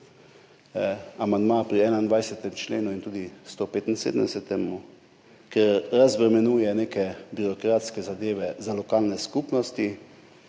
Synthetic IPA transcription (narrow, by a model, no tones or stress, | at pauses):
amand̪mapɾiɛːnaind̪ʋajsɛt̪ɛmt͡ʃleːnuint̪uːd̪ist̪opeːt̪insḛd̪əmd̪ɛsɛt̪ɛmu | kɛɾɾazbɾɛmɛnuːjɛneːkɛbiɾɔkɾaːt̪skɛzad̪eːʋɛzalɔkaːlnɛskuːpnɔst̪i